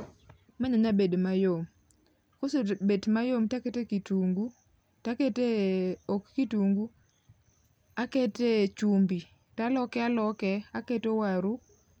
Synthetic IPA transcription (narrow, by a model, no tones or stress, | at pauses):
maɲaɲabedmajom | kosobetmajomtaketekituŋɡu | taketeokːituŋɡu | aketet͡ʃumbi | talɔkɛalɔkɛaketowaɾu